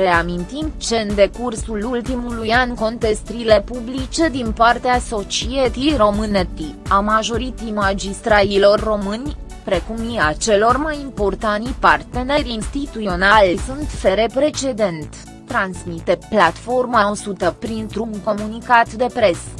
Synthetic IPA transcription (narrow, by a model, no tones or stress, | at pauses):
ɾe̞amint̪imt͡ʃe̞ɨnd̪e̞kursulult̪imulujanko̞nt̪e̞st̪ɾile̞publit͡ʃe̞d̪inpart̪easo̞t͡ʃiet̪iro̞mɨnet̪iamaʒo̞ɾit̪imad͡ʒist̪ɾalilo̞rːo̞mɨnʲ | pɾe̞kumiat͡ʃe̞lo̞rmajimpo̞rt̪anipart̪e̞ne̞ɾinst̪it̪uo̞nalsunt̪fe̞ɾe̞pɾe̞t͡ʃe̞d̪e̞nt̪ | t̪ːɾansmit̪e̞plat̪fo̞rmaosut̪əpɾint̪ɾuŋko̞munikat̪d̪e̞pɾe̞s